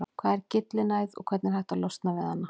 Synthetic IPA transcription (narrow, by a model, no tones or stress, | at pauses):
kʰvaːðɛɾcɪt̪lɪnaːjðɔ̰ɣkʰvɛɾt̪nɛɾhajht̪alɔwst̪navɪðhanːa